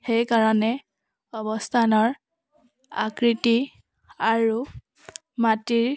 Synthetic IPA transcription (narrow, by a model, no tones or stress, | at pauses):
xejkaɹɔnɛ | ɔbɔstʰanɔɹ | a̰kɹiti | aɹu | matiɹ